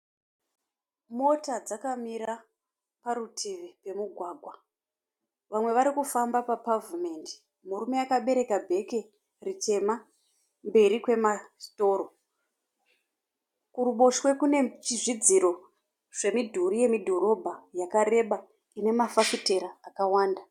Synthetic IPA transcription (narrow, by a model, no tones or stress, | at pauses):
mo̞tad͡zakamiɾa | paɾutʰiʋipe̞muɡʱwaːɡʱwa | ʋamwe̞ʋaɾikufambapapavume̞ndi̥ | muɾume̞akaɓe̞ɾe̞kabʱe̞ke | rit͡ʃe̞ma | mbe̞ɾikwe̞mato̞ːɾo̞ | kuɾuɓo̞ʃwe̞kune̞t͡ʃiʐid͡ziɾo̞ | ʐ̥e̞midʱuɾije̞midʱo̞ɾo̞bʱajakaɾe̞ɓa | ine̞mafakute̞ɾaːkawaːnda